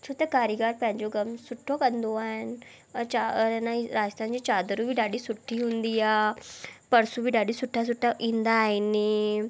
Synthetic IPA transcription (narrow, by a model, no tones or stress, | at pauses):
t͡ʃʰut̪ekaːɾiɡaːɾpɛ̃ɦɲd͡ʒoɡəmsʊʈʰːokənd̪oaːɦən | anaɾaːd͡ʒəst̪ʰãːnd͡ʑiːt͡ʃaːd̪ɾubʱiɖaːɽiːsʊʈʰːiːɦʊ̃nd̪iːaːpəɾsubiɖaːɽiːsʊʈʰːas̬ʊʈʰːaʔĩnd̪ainiː